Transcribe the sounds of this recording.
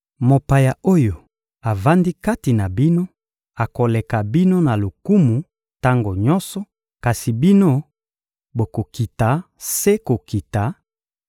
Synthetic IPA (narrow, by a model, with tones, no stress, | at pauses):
mo˨pa˨ja˨o˦jo˨ | a˨va˦ndi˦ka˦ti˨na˨bi˦no˦ | a˨ko˨le˨ka˨bi˦no˦na˨lo˨ku˦mu˨ | ta˦ŋɡo˨ɲɔ̃˦sɔ˨ | ka˨si˨bi˦no˦ | bo˨ko˨ki˨ta˨ | se˦ko˨ki˨ta˨˦